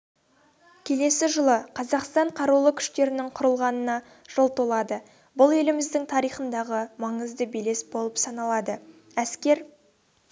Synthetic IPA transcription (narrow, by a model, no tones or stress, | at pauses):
kʲʰe̞le̞sɪʒəlˠəqʰɑzɑqst̪ɑɴqʰɑɾulˠəkʲʰʏ̥ʃt̪e̞ɾɪnɪŋqʰʊɾəlˠʁɑnənɑ | ʒ̥olˠt̪olˠɑd̪ə | bʊlˠe̞lɪmɪzd̪ɪŋt̪ʰɑɾijχənd̪ɑʁəmɑɴəzd̪əbele̞sbo̞lˠəpsɑnɑlˠɑd̪ə | æskʲe̞ɾ